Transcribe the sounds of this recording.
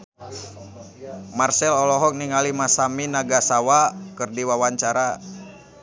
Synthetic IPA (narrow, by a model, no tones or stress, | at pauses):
marsɛlɔlɔɦɔk̚niŋalimasaminaɡasawakɨrdiwawaɲt͡ʃaɾa